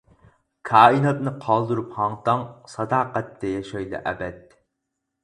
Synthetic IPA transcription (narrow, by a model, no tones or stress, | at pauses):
kʰɑːinɑt̪nɨqʰɑlˠd̪uɾuphɑŋt̪ɑŋsɑd̪ɑːqɛt̪ʰːɛjɑʃɑjlˠɨ̰ʔɛ̰bɛd̪̚